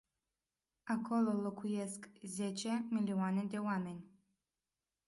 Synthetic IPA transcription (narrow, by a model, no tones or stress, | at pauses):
akʰo̞lolokʰujeskzet͡ʃe̞milianed̪e̞wame̞nʲ